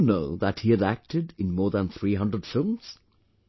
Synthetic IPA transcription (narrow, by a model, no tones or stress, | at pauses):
noʊðəthiɨɾæk̚tʰɨdɨ̃nmɔːɹðə̃nθɹiɦʌ̃ndɹəd̥fɪlˠmz̥